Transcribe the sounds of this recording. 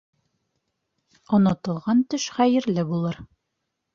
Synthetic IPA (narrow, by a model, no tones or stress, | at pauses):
ŏnɑt̪ɤ̆lˠʁɑnt̪ɵʃχæjɘ̆ɾlɘbulˠɤɾ